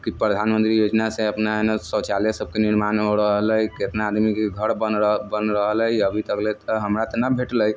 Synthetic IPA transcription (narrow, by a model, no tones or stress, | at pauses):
kipɾəd̪ʱanmənt̪ɾijod͡ʒnasẽəpnanesɔt͡ʃalesəb̚keniɾmanɦoɾəɦələjket̪naːd̪mikeɡʱəɾbəbənɾəɦələjəbʱit̪əklɛt̪əɦəmɾat̪ənabʱeʈləj